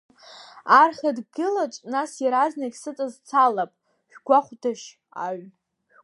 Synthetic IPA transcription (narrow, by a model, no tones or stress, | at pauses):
arχʲadɡɨlat͡ʃʼnasjaɾaznakʲʼsɨt͡sʼazt͡sʰalapʼ | ʒᶣɡʷaχʷdaʃ | aɥ